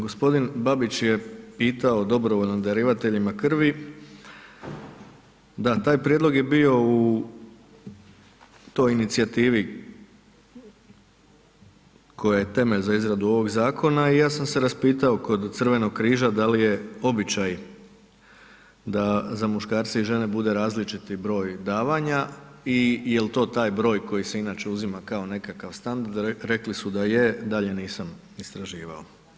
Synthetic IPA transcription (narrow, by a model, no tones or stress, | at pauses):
ɡospo̞d̪inbabit͡ʃje̞piːt̪ao̞d̪o̞bɾoʋoʎnond̪aɾiʋat̪e̞ʎimakr̩ʋi | d̪at̪aːjpɾijed̪loɡje̞bio̞u | t̪o̞jinit̪siat̪iːʋi | kʰo̞jajet̪e̞me̞ʎzaizɾad̪uo̞ʋo̞ɡzaːkʰo̞naijaːsamse̞ɾaspiːt̪ao̞ko̞d̪t̪sr̩ʋe̞no̞ɡkɾiːʒad̪alije̞o̞bit͡ʃaj | d̪azamuʃkaːɾt̪seiʒe̞ne̞bud̪e̞ɾaːzlit͡ʃit̪ibɾo̞ːjd̪aːʋaɲaijelt̪o̞ːt̪aːjbɾo̞ːjko̞jise̞inaːt͡ʃe̞uzimakao̞ne̞kakaʋst̪and̪aɾd̪ɾe̞klisud̪ajed̪aʎe̞niːsam | ist̪ɾaʒiːʋa̰o